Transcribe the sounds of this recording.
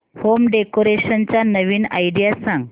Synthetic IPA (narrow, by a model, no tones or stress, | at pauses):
homɖekoɾeɕənt͡ɕjanəʋiːna̰jɖijasãŋɡ